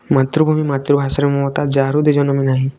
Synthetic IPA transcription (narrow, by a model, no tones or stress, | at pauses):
mat̪ɾubʱumimat̪ɾubʱasaɾemɔɔt̪ad͡ʒaɾud̪ed͡ʒɔnɔminaɦĩ